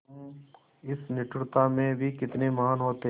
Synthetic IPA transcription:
ɪsnɪʈɽt̪amẽbʱikɪt̪nemɐɦaːnɦoːt̪e

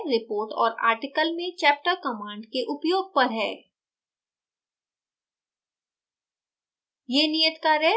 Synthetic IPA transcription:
ɾɪpoːɾʈɔ̰ːɾa̰ːɾʈɪkəlmẽt͡ʃɛːp̚ʈəkɐmãːɳɖkeʔʊpjoːɡ̚pɐɾɦɛː | jeːnijət̪kaɾɛ

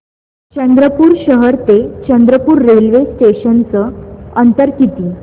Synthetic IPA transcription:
t͡ɕənd̪ɾəpuːɾɕəɦəɾt̪et͡ɕənd̪ɾəpuːɾːelʋesʈeɕənt͡səənt̪əɾkʰit̪i

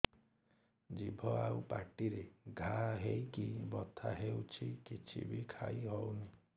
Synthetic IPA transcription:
d͡ʒibʱɔaupaʈiɾeɡʱaɦejkibɔt̪ʰaɦewt͡ʃʰikit͡ʃʰḭbʱikʰaiɦɔwni

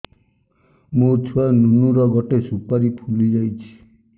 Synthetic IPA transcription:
mut͡ʃʰuanunuɾɔɡɔʈesupaɾipʰulid͡ʒajt͡ʃʰi̥

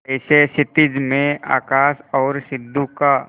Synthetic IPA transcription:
ɪsesɪt̪ɪd͡ʒmẽa̰ːkaːsɔːɾsɪd̪ʱːuka

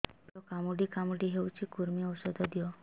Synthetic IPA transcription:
ɔkamuɖikamuɖiɦewt͡ʃʰikuɾmiɔwsɔd̪ʱɔd̪ijɔ

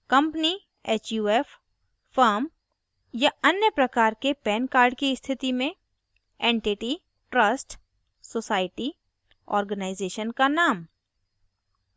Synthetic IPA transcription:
kə̃mpni | eːt͡ʃjuːeːf | faːɾm | jaɐnjəpɾɐkaːɾkepɛːnkaːɾɖkiɪst̪ʰɪt̪imẽ | ẽːɳʈiʈi | ʈɾəsʈ | soːsaːɪʈi | ɔ̰ːɾɡənaːɪzeːʃənkanaːm

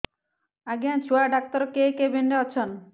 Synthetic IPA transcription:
aɡiant͡ɕʰuaɖak̚t̪ɔɾkekebeɳɖeɔt͡ɕʰɔn

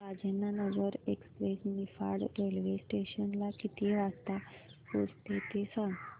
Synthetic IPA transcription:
ad͡ʒənanəɡəɾekspɾesnifa̰ɾɽɾelʋesʈeʃənlakit̪iʋast̪ako̰st̪et̪esən

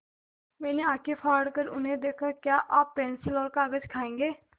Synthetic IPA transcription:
mɛ̃ːneːaːkʰeːpʰaːɽkəɾʊnẽːd̪eːkʰaːkjaːʔaːppɛ̃ːnsilɔːlkaːɡəd͡ʒkʰaːẽːŋɡeː

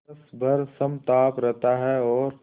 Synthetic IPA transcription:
əsbʱɐɾsɐmt̪aːpɾɛɦt̪aɦɛɔːɾ

